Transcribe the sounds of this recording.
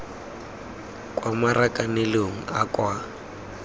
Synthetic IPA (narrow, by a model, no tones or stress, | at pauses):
kʼwamarakʼanɛloŋ̩akʼwa